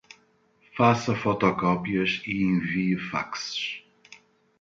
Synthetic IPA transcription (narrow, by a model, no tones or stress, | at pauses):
fasɐfɔt̪ɔkɔpiɐʃiẽviɨfa̰ksɨ̥ʃ